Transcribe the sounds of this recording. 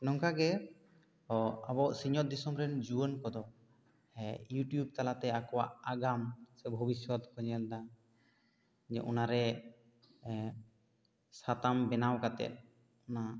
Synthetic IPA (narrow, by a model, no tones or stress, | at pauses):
nɔŋkaɡɛ | ɔabɔʔsiɲɔt̪̚d̪isɔmɾɛnd͡ʒuənkɔd̪ɔ | juʈjub̚t̪alat̪ɛakɔwaʔaɡamsɛbʱɔbisjɔt̪kɔɲɛld̪a | d͡ʒɛ̰ʔunaɾɛ | sat̪ambɛnawkat̪ɛ̰t̪̚ | ɔna